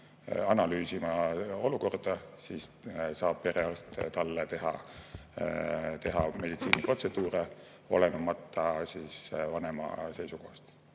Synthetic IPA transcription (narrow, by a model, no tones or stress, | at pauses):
ɑnɑlyːsimɑo̞luko̞rd̪̥ɑsiːssɑːb̥̚pe̞ɾeɑst̪t̪ɑlːet̪e̞ɦɑ̰ | t̪e̞ɦɑme̞d̪it̪sḭːnipro̞t̪se̞d̪̥uːre | o̞̰lenumɑt̪ːɑsiːsvɑne̞mɑ̰se̞jsuko̞hɑst̪